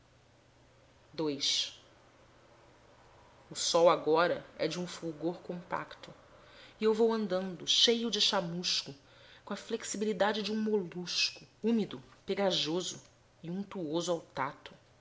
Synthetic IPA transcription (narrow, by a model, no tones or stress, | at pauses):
d̪ojʃ | ʊsɔwaɡɔɾɐɛ̰d͡ʒɪũfuwɡoɾkõmpa̰kt̪ʊ | iewvowɐ̃nd̪ɐ̃nd̪ʊʃejʊd͡ʒɪʃamuʃkʊ | kõɐfleksibilid̪ad͡ʒɪd͡ʒɪũmoluʃkʊumid̪ʊpeɡaʒozʊ | ɪũnt̪uozʊawt̪at̪ʊ̥